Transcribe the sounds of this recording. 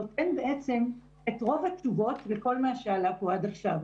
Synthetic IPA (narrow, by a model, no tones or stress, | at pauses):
otenbe̞ʔet͡se̞m | etʁo̞vat͡ʃuvo̞tveko̞lmaʃealapo̞adaχʃav